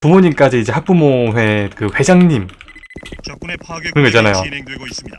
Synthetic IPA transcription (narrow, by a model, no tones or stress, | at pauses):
pumoɲimk͈ad͡ʑiːd͡ʑe̞hak̚p͈umoɦwe̞kɯɸe̞d͡ʑaŋɲim | kɯɾʌnɡʌit͡ɕ͈anajo